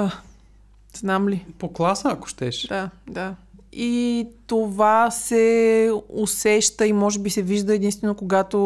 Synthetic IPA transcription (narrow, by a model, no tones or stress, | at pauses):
znamlipoklˠasəːko̥ʃt̪ɛʃd̪ad̪ait̪ovasɛ | osɛʃt̪əimɔʒɛbisɛviʒd̪əɛːd̪inst̪vɛnokoɡat̪o